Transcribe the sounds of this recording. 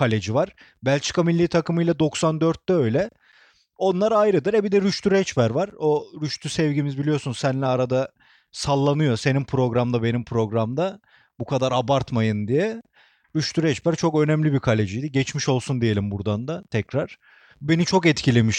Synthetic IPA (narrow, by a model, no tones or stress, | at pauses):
kʰalʲed͡ʒivaɾ̥ | bælʲt͡ʃʰɯ̥kʰamilʲːit̪ʰakɯmɯjlˠad̪o̞ksand̪øɾt̪̚ːɛø̞jlʲɛ | o̞nlˠaɾajɾɯd̪ɯɾɛbid̪ɛɾyʃt̪ʰyɾɛt͡ʃbæɾvaɾoɾyʃt̪ʰysɛvɟimizbilʲijo̞sunzsænlʲɛaɾad̪a | salˠːanɯjo̞se̞nimpʰɾo̞ɡɾamd̪abe̞nimpʰɾo̞ɡɾamd̪a | bukʰad̪aɾabaɾt̪majɯnd̪ijɛ | ɾyʃt̪ʰyɾɛt͡ʃbæɾt͡ʃʰo̞kø̞nɛmlʲibikʰalʲed͡ʒijd̪iɟɛt͡ʃmiʃo̞lˠsund̪ije̞lʲimbuɾd̪and̪at̪ʰɛcɾaɾ̥ | be̞nit͡ʃʰo̞kɛt̪cʰilʲe̞miʃ